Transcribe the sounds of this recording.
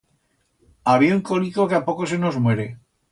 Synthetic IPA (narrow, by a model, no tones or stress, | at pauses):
aβieuŋkonikokeapokos̬eno̞zmwe̞ɾe̞